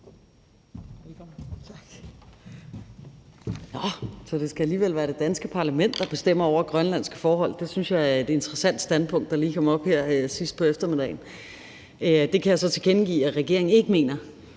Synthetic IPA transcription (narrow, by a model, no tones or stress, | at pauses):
kʰ | nɒsɒ̽d̥e̝sɡ̥ææliːʋelʋæːɐd̥e̝d̥ænsɡ̥əpʰɑ̈ːlæmen̰d̥d̥ɑ̈b̥e̝sd̥em̰ɐɒ̰ʊ̰ɐɡ̥ʁɶnlæn̰sɡ̥ə̥fɒːɦɒ̽l̰d̥e̝synsjɑ̈æɐe̝d̥e̝nd̥ʁəsæn̰d̥sd̥ænd̥pʰɔ̽ŋ̰d̥ːɑ̈liːkʰɒ̽mɐɒ̽b̥heɐ̰sisd̥̚pʰɒ̽efd̥ɐme̝d̥ɛ̰ːɪn̩ | d̥e̝kʰæjäsɒ̽t͡sʰe̝ɡ̥enɡ̥ḭːæʁɛɡ̥e̝ɐeŋne̝ɡ̥əme̝̰ːnɐ